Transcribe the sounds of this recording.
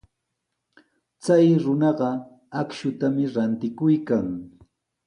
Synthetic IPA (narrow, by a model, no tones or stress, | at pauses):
t͡sajɾʊnɑɢɑ | akʃʊt̪amɪɾant̪ɪkʊjkaŋ